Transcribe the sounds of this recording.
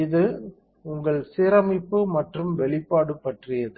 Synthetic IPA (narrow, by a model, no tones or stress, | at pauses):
ɪðɯ | ʊŋɡɐɭseːɾɐmɪpːɯmɐʈrɯmʋɛɭɪpːaːɽɯpːɐʈrɪjɐðɯ